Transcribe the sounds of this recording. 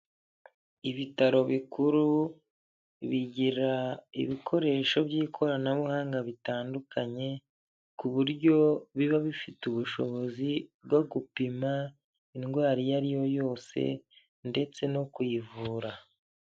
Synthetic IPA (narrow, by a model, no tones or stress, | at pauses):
iβitaɾo̞βikuɾu | βiɟiɾaḭβikʰo̞ɾe̞ːʃo̞bɟiːkʰo̞ɾanaβuhaːŋɡaβitaːndukʰaɲe̞ | kuβuɾɟo̞βiβaβifituβuʃo̞̰βo̞zibɡoɡupima | inɡwaːɾijaɾijo̞jo̞ːse̞̰ | nde̞t͡se̞no̞kwivuːɾa